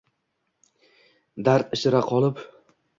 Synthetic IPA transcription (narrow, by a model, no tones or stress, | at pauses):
d̪aɾt̪ɪʃɪɾaqʰɒlˠɪp